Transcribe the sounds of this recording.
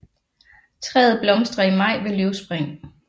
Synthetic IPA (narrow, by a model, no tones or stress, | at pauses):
t͡sʰʁɛ̰ːð̩ˠb̥lɒ̽msd̥ʁɐimɑ̈ɪ̰ʋe̝lyʊsb̥ʁɛŋ̰